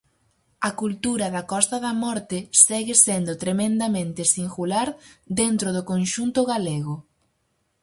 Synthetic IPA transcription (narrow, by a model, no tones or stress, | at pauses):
ɐkult̪uɾɐðɐkɔst̪ɐðɐmɔɾt̪ɪsɛɣɪsend̪ʊt̪ɾemẽnd̪ɐmẽnt̪ɪsiŋɡulaɾd̪ent̪ɾoðʊkõnʃunt̪ʊɣaleɣʊ